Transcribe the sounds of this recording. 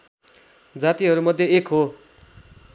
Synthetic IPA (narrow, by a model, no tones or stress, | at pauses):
d͡zat̪iɦʌɾumʌd̪ʱjeekɦo